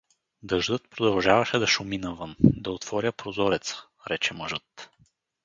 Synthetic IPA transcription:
d̪ɐʒd̪ɤt̪̚pɾod̪ɐlˠʒavɐʃɛd̪ɐʃʊminɐvɤnd̪ɐot̪v̥ɔɾʲjəpɾozɔɾɛt̪sə̥ | ɾɛt͡ʃɛmɐʒɤt̪

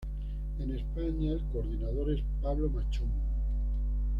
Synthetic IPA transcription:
enespaɲaelkoɾðinaðoɾe̞spaβlomat͡ʃum

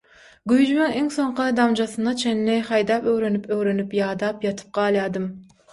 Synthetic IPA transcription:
ɡʲyjd͡ʒymɪŋeŋsoɴqʰɨd̪ɑmd͡ʒɑsɨnd̪ɑt͡ʃʰenlɪχɑjd̪ɑːpøwɾenypøwɾenypjɑːd̪ɑːpjɑt̪ʰɨ̥p̚qɑːlˠjɑːd̪ɨm

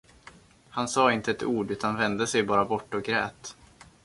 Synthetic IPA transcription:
hansɑːɪnt̪əɛt̪ʰuːɖʉ̟ːt̪ʰanvɛnd̪əsɛjbɑːɾabɔʈːɔɡɾɛ̰ːt̪

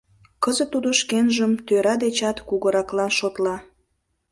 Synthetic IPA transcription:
kəzə̆t̪ːud̪oʃkenʒəmt̪øɾɑd̪et͡ɕɑt̪kuɣəɾɑklɑnʃot̪lɑ

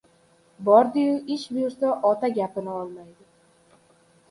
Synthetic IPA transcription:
bɒɾd̪ɪjʊʔɪʃbʊjʊɾsaʔɒt̪aɡʲapɪnɪɒlˠmajd̪ɪ

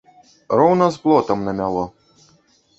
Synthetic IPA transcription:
ɾɔwnɐzblˠɔt̪ɐmnɐmʲalˠɔ

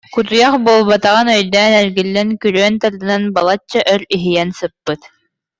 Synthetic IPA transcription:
kuɾjaχbuɔlˠbat̪aʁɯnœjd̪ɛːnɛɾɡilːɛnkyɾøːnt̪aɾd̪ɯnanbalˠat͡ɕːaʔœɾiɦijɛnsɯpːɯt̪

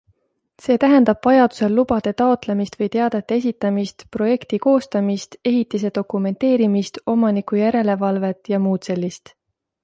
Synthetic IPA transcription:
se̞ːt̪æɦe̞nd̪̥ɑb̥vɑjɑd̪̥u̥se̞lːub̥ɑd̪̥e̞t̪ɑo̞t̪le̞mist̪vɤjt̪e̞ɑd̪e̞t̪ːˑeesit̪ːˑɑmist̪pro̞je̞kt̪iko̞ːst̪ɑmist̪e̞ɦit̪ːˑis̬e̞d̪̥o̞kume̞nt̪e̞ːɾimist̪o̞mɑnikˑujæɾe̞le̞vɑlve̞t̪jɑmuːt̪se̞lʲːist̪

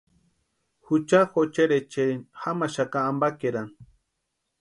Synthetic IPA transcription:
xut͡ʃaxot͡ʃeɾet͡ʃexamaʃakaːmbakeɾan

